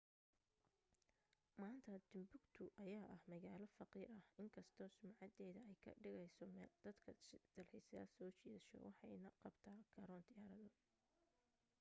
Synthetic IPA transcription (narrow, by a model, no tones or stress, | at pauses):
maːnt̪ʰɐd̪̥ʊmbʊɡt̪ʰʊʔɐjaːʔɐhmɐɣaːlɔfɑqiːɾɐhɪŋkʰɐst̪ʰɔːsʊmʕɑd̪ɛːðɐɛjkʰɐ̰ɖɪɣɛjsɔmd̪̥ɐd̪kʰɐd̪̥ɐlħɪsɐðɐsɔːt͡ʃiːðɐʃɔ̰wʔɑħɑjnɐqɑbt̪ʰaːkʰɐɾɔːnd̪ɪjaːɾɐðɔːd̪